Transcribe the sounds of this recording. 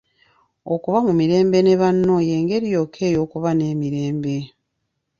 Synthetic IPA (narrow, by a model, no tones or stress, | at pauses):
okuβamumiɾe̞ːmbe̞ne̞βanːo̞je̞ːŋɡe̞ɾijo̞ːkʰe̞ːjo̞ːkuβane̞ːmiɾe̞ːmbe̞